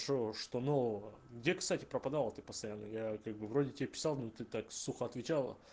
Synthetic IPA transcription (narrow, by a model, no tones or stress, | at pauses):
ʂoʂt̪onoɡdʲe̞kst̪atʲɪ̥pɾəpɐd̪alˠət̪ɨpəst̪ɐjanːəjakaɡ̚bɨvɾo̞dʲɪtʲɪbʲapʲɪ̥sɑlˠnot̪ɨt̪aksuxəɐt̪vʲɪt͡ɕalˠə̰